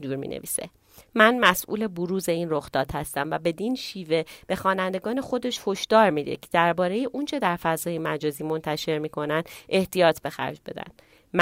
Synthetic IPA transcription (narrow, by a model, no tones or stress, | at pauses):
d̪uːɾmḭːnḛvḭːsḛ | mænmæsʔṵːle̞boɾuːze̞inroxd̪ɒːt̪hæst̪æmvæbe̞d̪inʃiːve̞b̥e̞xɒːnænd̪e̞ɡɒːne̞xo̞d̪e̞ʃhoʃd̪̥ɒːɾmid̪ḛcʰed̪æɾbɒːɾe̞jeʔunt͡ʃʰe̞d̪æɾfæzɒːjemæd͡ʒɒːziːmo̞nt̪ʰæʃe̞ɾmiːkʰo̞nænd̪e̞ht̪ijɒːt̪ʰbe̞xæ̰ɾd͡ʒbe̞̰d̪æ̰nd̪̥ | m